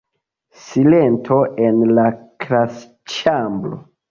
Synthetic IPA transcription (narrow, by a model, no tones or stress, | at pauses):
silentʰo̞ʔenlakɾas | t͡ʃamblo̰